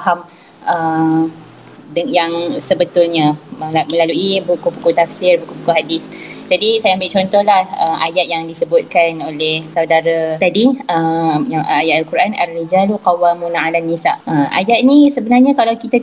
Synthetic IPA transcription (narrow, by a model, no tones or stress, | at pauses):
ɦam | ə | djaŋsəbət̪ʊlɲãmə̃laluibukupukut̪afsɪrbukupukuɦadɪsd͡ʒadisajaambɪt͡ʃɔnt̪ɔhlahəmʔa̰jat̪̚jaŋdisəbʊt̪̚kanolɛhsawdaɾat̪adiəjaŋəajat̪alkuɾana̰lːid͡ʒaluqawamunaalanːisa̰ʔəmʔa̰jat̪̚nĩsəbənarɲãkalawkit̪a